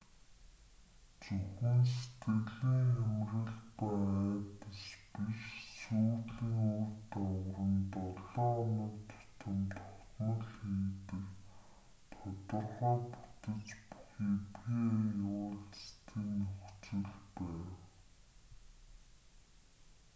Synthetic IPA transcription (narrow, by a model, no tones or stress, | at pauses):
t͡sɵxĭns̬et̪ɡɘ̆ɣɮiːŋxæmrə̆ɮpaæːt̪ə̆spiʃsuːɮiːŋurt̪awə̆rə̆nt̪ɔɮɔːnə̆kt̪ʰʊ̥t̪ʰə̆mt̪ʰɔχt̪nɞ̆ɮxiːt̪ɘ̆k | t̪ʰɔt̪ɞ̆rʁɔːpu̥t̪ɘ̆t͡ɕpu̥xiːpiːjʊːɮt͡st̪ʰiːnɵxt͡sɪ̆ɮpæːw